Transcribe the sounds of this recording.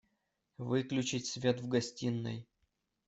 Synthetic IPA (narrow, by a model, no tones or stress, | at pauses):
vɨklʲʉt͡ɕɪtʲsʲvʲet̪vɡɐsʲtʲinːə̰j